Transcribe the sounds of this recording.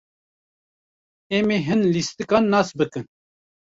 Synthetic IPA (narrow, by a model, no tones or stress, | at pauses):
ɛmeɦɨnlist̪ɨkɑːnːɑːsbɨkɨn